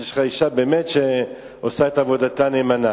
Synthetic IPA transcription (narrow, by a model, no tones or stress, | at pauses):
jeʃχaiʃabe̞ːmetʃe | osaetavo̞datanemana